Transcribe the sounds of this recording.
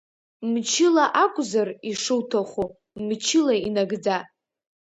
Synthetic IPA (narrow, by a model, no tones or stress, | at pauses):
mt͡ʃʰɪlaʔakʷʼzariʂɨwtʰaχʷu | mt͡ʃʰɪlainaɡd͡za